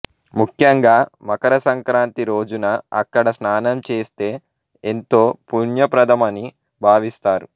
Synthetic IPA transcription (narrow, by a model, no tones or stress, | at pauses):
mukʰjɐŋɡaːmɐkɐɾɐsɐŋkɾaːnt̪iɾo̞ːd͡ʒunɐɐ̰kːɐɽɐsnaːnɐmt͡ʃe̞ːst̪e̞ː | ent̪oːpunjɐpɾɐd̪ʱɐmɐni | bʱaːʋist̪aːɾu